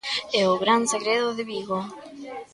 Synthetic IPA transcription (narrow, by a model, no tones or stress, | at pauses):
eoɣɾanseɣɾeðoðeβiɣo